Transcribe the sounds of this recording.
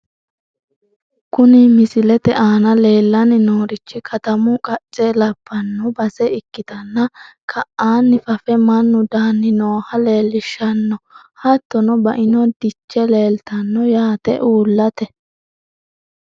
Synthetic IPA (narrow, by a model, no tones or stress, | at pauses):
kʊnɪmɪsɪlɛt̪ɛʔaːnɐle̞ːlːɐnɪnoːɾɪt͡ʃːɪkʰɐt̪ɐmʊkʼɐt͡ʃʼːeːlɐbːɐnːʊbɐsɛɪkːɪt̪ɐnːɐkʰɐʔaːnːɪfɐfɛmɐnːʊd̪aːnːɪnoːhɐle̞ːlːɪʃːɐnːɔ | hɐt̪ːɔnɔbɐ̰ʔɪnɔd̪ɪt͡ʃːɛle̞ːlt̪ɐnːɔjaːt̪ɛ̰ʔuːlːɐt̪ɛ